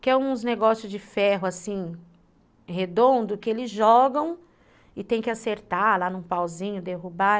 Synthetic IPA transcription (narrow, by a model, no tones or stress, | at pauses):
kɪɛũzneɡɔsjʊzd͡ʒɪfɛɦʊasĩ | ɦed̪õnd̪ʊkɪelɪzʒɔɡɐ̃w̃ | ɪt̪ẽj̃kɪaseɾt̪alanũpawzĩɲʊd̪eɦuba